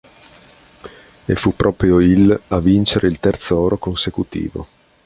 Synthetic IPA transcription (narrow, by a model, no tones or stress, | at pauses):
efːupːɾʔɔːpɾjoilavint͡ʃeɾeilt̪ɛrt̪soɔːɾokonsekut̪ḭːvo̰